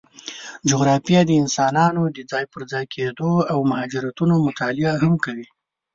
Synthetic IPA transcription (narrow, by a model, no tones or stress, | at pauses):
d͡ʒʊɣɾɑfijɑd̪əɪnsɑnɑnod̪əd͡zɑjpəɾd͡zɑjkʰed̪oawmʊhɑd͡ʒɪɾat̪unomʊt̪ɑlɪaɦamkawi